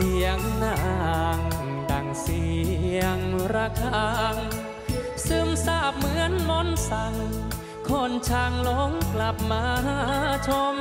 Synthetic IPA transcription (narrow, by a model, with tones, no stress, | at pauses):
i˧˩əŋna˧˩a˧˩ŋ | da˨˩ŋsi˧˩˧əŋɾa˧kʰaaː˧ŋ | sɯː˧˩msaː˧˩p̚mɯ˧˥ənlo˧˥nsa˧˩ŋ | kʰo˧˩nt͡ɕʰaː˧ŋlo˧˦˥ŋkla˨˩p̚maː˧˥a˧t͡ɕʰo˧˥m